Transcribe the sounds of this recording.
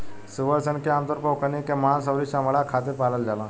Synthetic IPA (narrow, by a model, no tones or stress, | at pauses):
suʋəɾsənkaant̪əɾpəwkanikãmans̬əwɾiːɕaməɭakʰat̪̬iɾpaləld͡zalã